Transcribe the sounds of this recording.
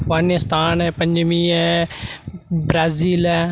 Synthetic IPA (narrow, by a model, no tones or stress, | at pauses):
fɡaːnɪst̪aːnɛːpə̃ɲd͡ʒmiːɛ | bɾaːziːlɛ